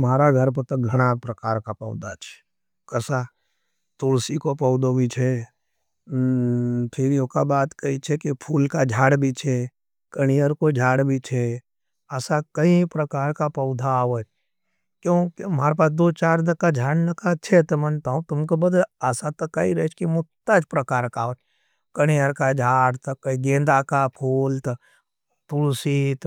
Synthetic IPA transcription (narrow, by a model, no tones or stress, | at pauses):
maːɾaɡʱəɾp̬ət̪ɐɡʱɐɽ̃apɾəkaːɾkapɐʊd̪at͡ʃʰe̥ | kəsa | t̪oːɽsikopɔʊd̪obʱit͡ʃʰe | pʰɪɾiokabaːt̪kəit͡ʃʰekepʰuːlkad͡ʒʱaːɽbʱit͡ʃʰe | kəɽ̃ijəɾkod͡ʒʱaːɽbʱit͡ʃʰe | əsakəĩpɾəkaːɾkapɐʊd̪ʱaʋət͡ʃ | kjõːkimaːɾepaːsd̪oːt͡ʃaːɾd̪əkad͡ʒʱaːɽnəkat͡ʃʰet̪mənt̪aːũt̪ʊmkobəd̪ələsat̪ɐkaiɾət͡ʃʰkimʊt̪ad͡ʒpɾəkaːɾkaːʋət͡ʃ | kəɽ̃ijəɾkad͡ʒʱaːɽt̪kɐĩɡẽːnd̪akapʰuːlt̪ɐ | t̪ʊɽsit̪